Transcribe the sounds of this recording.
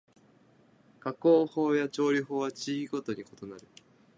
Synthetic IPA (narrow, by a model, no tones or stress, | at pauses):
kakoːho̞ːjat͡ɕo̞ːɾʲiɦo̞ːβat͡ɕiɡʲiɡo̞t̪o̞ɲ̟iko̞t̪o̞naɾɯ̟